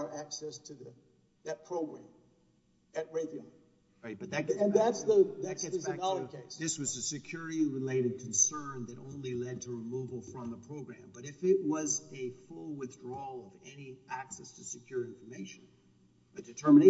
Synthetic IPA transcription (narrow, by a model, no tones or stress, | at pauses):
ə˞ʔæksɛstʰɨðɨ | ðɨt̚pʰɹ̥oʊɡɹæ̃m | ɨt̚ɹeɪbio | ab̥ʌðɨɨ̃nðætsðɨðæsðɨznɑlˠəkʰeɪsðɪswʌzɨsɨkʰj̥ʊɹɨɾiɹɨleɪɾɨd̚kʰn̩sɜ̃˞nðɨɾʔõʊ̃nlilɛd̚tʰɨɹɨmuvl̩ˠfɹʌ̃mðəpʰɹ̥oʊɡɹæ̃mbʌɾɨfɪʔ̚wʌzɨfʊlˠwɪθdɹɔlˠʌvɛniʔæksɛstʰɨsɨkʰj̥ʊɹɪ̃ɱfə˞meɪʃɨ̃n̩ | ðɨd̥ɨtʰɜ˞mɨ̃n